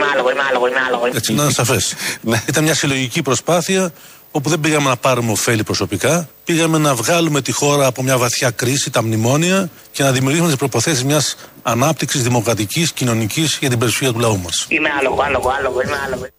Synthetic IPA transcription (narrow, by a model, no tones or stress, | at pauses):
mɐloɣoimeɐloɣoimeɐloɣoiett͡ssinɐnsɐfe̞snit̪ɐnmɲɐsilo̞ʝicipɾo̞spɐθiɐ | o̞p̬uðe̞mbiɣɐme̞nɐpɐɾumeo̞fe̞lipɾo̞so̞pikɐpiɣɐme̞nɐvɣɐlume̞t̪ixo̞ɾɐːpo̞mɲɐvɐθçɐkɾisit̪ɐmnimo̞niɐ | ce̞nɐðimiuɾʝisumet̪ispɾo̞ipo̞θe̞sizmɲɐs | ɐnɐp̚t̪iksizðimo̞kɾɐt̪iciscino̞nicisʝɐt̪ibe̞ɾisçiɐt̪ulɐumɐsimeɐloɣoɐloɣoɐloɣoimeɐloɣo